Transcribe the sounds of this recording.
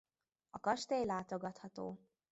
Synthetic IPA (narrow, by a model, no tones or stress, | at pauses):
ɒkɒʃt̪eːjlaːt̪oɡɒt̪hɒt̪o̰ː